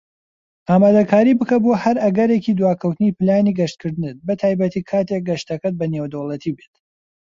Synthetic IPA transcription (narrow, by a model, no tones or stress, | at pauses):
aːmaːd̪ɐkʰaːɾibɨkɐbohɐɾɐɡɐɾecid̪waːkʰɐwt̪ɨnipɨlaːniɡɐʃt̪̚kʰɨɾd̪ɨnɨt̪̚bɨt̪ʰaːjbɐt̪ʰiːkʰaːt̪ek̚ɡɐʃt̪ɐkɐt̪̚bɐnewd̪ɐwlˠɐt̪ʰibet̪